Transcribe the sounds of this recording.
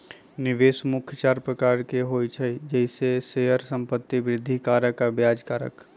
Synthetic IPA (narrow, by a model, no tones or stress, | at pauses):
nɪʋeːsmʊkʰjt͡ʃaːɾpɾəkaːɾkeɦoit͡ʃʰəd͡ʒɛɪseseɦəɾsə̃mpət̪ːibɾɪd̪ʱːikaːɾəkabjaːd͡ʒkaːɾə̰k